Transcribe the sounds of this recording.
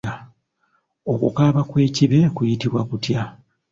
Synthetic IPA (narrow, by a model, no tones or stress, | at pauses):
a | o̞kṵkaːβakwe̞ːciβe̞kujitiβwakutja